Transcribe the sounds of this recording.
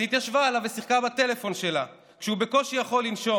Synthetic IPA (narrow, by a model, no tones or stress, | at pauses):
hit̪jaʃvaːlavesiχkabat̪e̞le̞fo̞nʃe̞la | kʃeube̞ko̞ʃijaχo̞lːinʃo̞